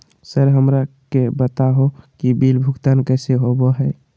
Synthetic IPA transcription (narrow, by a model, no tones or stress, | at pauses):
səɾɦəmɾakebət̪aɦokibilbʱʊɡt̪aːnkɛːseɦoboɦɛ